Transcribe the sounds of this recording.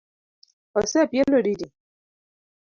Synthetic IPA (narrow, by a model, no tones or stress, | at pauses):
ɔsɛpjelodidi